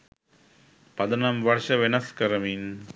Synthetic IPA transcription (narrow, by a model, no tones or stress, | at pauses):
pɐd̪ɐnɐmʋɐrʂɐʋenɐskɐɾɐmin